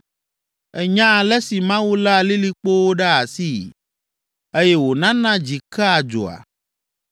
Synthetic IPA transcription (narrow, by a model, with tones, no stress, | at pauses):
ɛ˦ɲã˦˨lɛ˦si˨mã˦wu˦la˦a˨li˦li˦k͡po˦wo˦ɖa˦a˨si˦˨ | e˦jɛ˦wo˨nã˦nã˦d͡ʑi˨ka˦a˨d͡ʒo̰˨a̰˨